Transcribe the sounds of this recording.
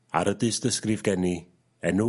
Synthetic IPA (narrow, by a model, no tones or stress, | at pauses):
a̰ɾədɨsd̥əskrɪvɡɛni | ɛnu